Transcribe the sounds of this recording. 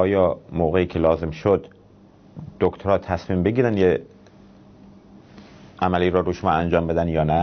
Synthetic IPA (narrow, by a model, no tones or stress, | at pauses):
ʔɒːjɒːmoːɣeiːkʰelɒːze̞mʃod̪ | d̪̥okt̪ʰoɾɒːt̪ʰæsmiːmbeɟiːɾænd̪je | ʔæmæliːɾɔːɾuʃomɒːænd͡ʒɒːmbe̞d̪ænjɒːnæ